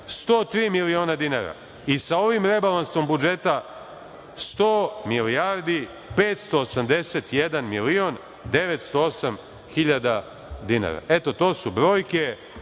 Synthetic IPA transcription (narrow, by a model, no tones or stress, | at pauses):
st̪o̞ːt̪ɾiːmilio̞ːnad̪ina̰ːɾa̰ | isao̞ʋimɾe̞balanso̞mbud͡ʒe̞t̪a | st̪oːmilijaːɾd̪i | pe̞ːt̪st̪o̞ːsamd̪e̞set̪jed̪anmilio̞n | d̪e̞ʋet̪st̪o̞osam | xiʎad̪a | d̪ina̰ːɾa̰ʔe̞t̪o̞t̪o̞ːsubɾo̞ːjke